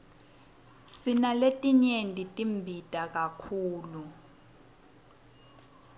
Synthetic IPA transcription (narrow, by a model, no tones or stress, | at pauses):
sinaletʼiɲendʼʱitʼimbʱitʼak̬akʰuːlu